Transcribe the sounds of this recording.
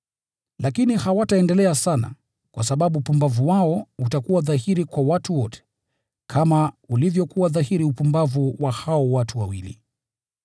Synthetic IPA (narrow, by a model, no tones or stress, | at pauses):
lakinihawataɛndɛlɛasana̰ | kwa̰saɓaɓupumbavuwaɔutakuwaðaɦiɾikwawatuwɔtʰɛ̥ | kʰamaulivjɔkuwaðahiɾiupumbavuwahaɔwatʰuwawilḭ